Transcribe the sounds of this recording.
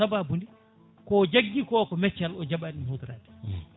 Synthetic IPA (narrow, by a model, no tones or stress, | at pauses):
ababundi | kɔd͡ʒaɡːikɔkɔmɛt͡ʃːalɔd͡ʒaɓanihut̪ɾa̰ːdɛ̥